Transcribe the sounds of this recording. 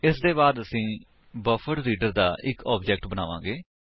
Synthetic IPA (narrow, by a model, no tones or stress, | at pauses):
ɪsd̪eːbaːd̪əsĩː | bəfʰəɖɾiːɖəɾd̪aːʔɪkɔːbd͡ʒɛːk̚ʈbəna̰ːʋãːɡeː